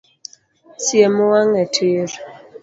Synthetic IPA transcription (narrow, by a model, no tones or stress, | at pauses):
sjemuwaŋɛtʰeɾ